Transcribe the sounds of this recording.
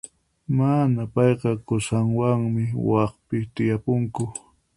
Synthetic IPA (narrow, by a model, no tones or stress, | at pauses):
manapɑjqɑkʊsaŋwaŋmɪwɑχpɪt̪ɪjapʊŋkʊ